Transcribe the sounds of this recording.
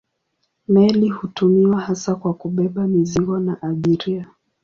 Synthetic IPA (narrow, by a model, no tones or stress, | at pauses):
mɛlihutumiwahasakwakuɓɛɓamiziɡɔnaʔaʄiɾia